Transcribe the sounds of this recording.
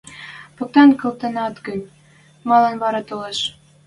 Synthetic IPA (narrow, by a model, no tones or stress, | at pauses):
pɤ̆k̚t̪ɑnkɤ̆lt̪ɤ̆nɑt̪ɡənʲ | mɑlˠɑnβɑɾɑt̪oleʃ